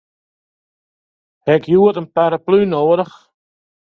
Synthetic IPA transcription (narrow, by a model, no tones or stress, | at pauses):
hɛkjuətənpaɾəplyːnoːəɾəχ